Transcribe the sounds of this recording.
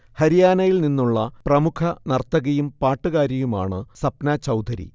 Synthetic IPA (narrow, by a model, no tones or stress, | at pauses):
hɐɾijaːnɐjilninːuɭːɐprɐmukʰɐnɐrt̪ːɐɣɐjumpaːʈːɨɣaːɾɐjuma̰ːɳɨsɐpnɐt͡ɕɐwd̪ʱɐɾḭ